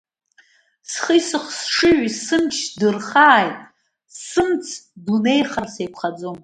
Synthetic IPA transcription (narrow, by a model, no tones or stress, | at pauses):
sχəjsɨχsʂɨʕisɨmt͡ʃʰdɨrχaːjtʼ | sɨmt͡sʰdune̞jχarsejkʷʰχad͡zo̞m